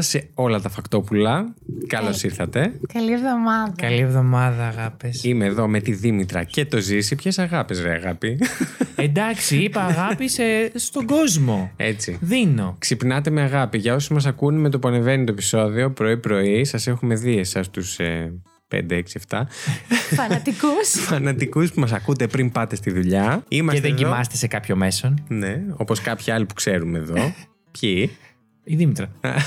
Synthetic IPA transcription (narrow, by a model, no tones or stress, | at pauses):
seo̞lɐt̪ɐfɐkt̪o̞pulɐkɐlo̞siɾθɐt̪e̞kɐlievðomɐðɐkɐlievðo̞mɐðɐːɣɐpesimeːðo̞me̞t̪iðimit̪ɾɐ̰ce̞t̪o̞zisipçesɐɣɐpezɾeɐ̰ɣɐpiend̪ɐksiieɐɣɐpisest̪o̞ɡo̞zmo̞e̞̰t͡siðino̞ksipnɐt̪e̞me̞ɐɣɐpiʝɐo̞somɐs̬ɐkunmet̪opuɐneve̞nit̪oepi̥so̞ðio̞pɾo̞ipɾo̞isɐse̞xume̞ðiesɐst̪use | pḛnd̪eeksieft̪ɐ | fɐnɐt̪ikusfɐnɐt̪ikuspumɐs̬ɐkut̪e̞pɾimpɐt̪e̞st̪iðuʎɐimɐsðeðɟimɐst̪esekɐpço̞me̞sonne̞o̞po̞skɐpçiɐlipu̥kse̞ɾumeðo̞ | pçi | iðimit̪ɾɐɐ̰